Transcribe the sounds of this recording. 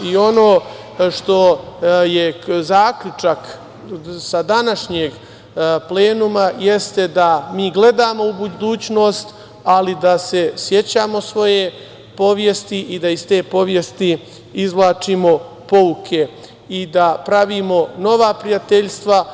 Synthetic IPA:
io̞no̞ː | ʃt̪o̞jezaːkʎut͡ʂak | sad̪anaʃɲeːɡ | ple̞ːnumaje̞st̪e̞d̪amiːɡle̞d̪aːmo̞ubud̪uːt͡ɕno̞ːst̪ | alid̪ase̞sje̞t͡ɕaːmo̞sʋo̞je̞ | po̞ʋjest̪iʔid̪aist̪e̞ːpo̞ʋje̞st̪i | izʋlˠaːt͡ʃimo̞ | po̞ukʰe̞ | id̪apɾaʋiːmo̞no̞ʋaːpɾijat̪eʎst̪ʋa

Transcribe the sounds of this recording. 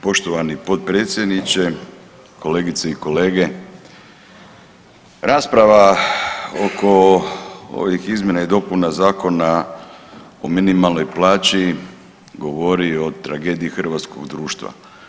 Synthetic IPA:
po̞ʃt̪oʋanipo̞t̪̚pɾet̪sʲje̞d̪nit͡ɕe | kʰo̞le̞ːɡit̪seiko̞le̞ːɡe̞ | ɾaːspɾaʋa | o̰kʰo̞ | o̰ʋixizmʲje̞naid̪o̞punazaːko̞na | o̰minimalno̞jplˠaːt͡ʃi | ɡo̞ʋo̞ɾio̞t̪ɾa̰ɡe̞ːd̪ijixr̩ʋat̪sko̞̰ɡd̪ɾuːʃt̪ʋa̰

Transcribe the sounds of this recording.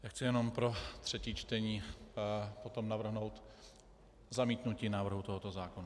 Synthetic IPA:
jaːxt͡sɪjɛno̞mpɾo̞t̪r̝̥ɛciːt͡ʃt̪ɛɲiː | po̞t̪o̞mnavr̩ɦno̞wt̪ | zamiːt̪nuciːnaːvr̩ɦut̪o̞ɦot̪o̞zaːkona

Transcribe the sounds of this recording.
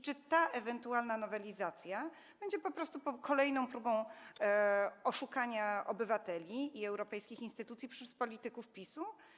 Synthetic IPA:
t͡ʂɘt̪aʔɛvɛnt̪ualnanɔvɛlʲizat̪sʲja | b̥ɛɲd͡ʑɛpɔpɾɔst̪upɔkʰɔlɛjnɔ̃w̃pɾubɔ̃w̃ | ɔʂukaɲaɔbɘvat̪ɛlʲiːɛwɾɔpɛjskʲixinst̪ɘt̪ut̪sʲjipʂɛspɔlʲit̪ɘkufpʲisu

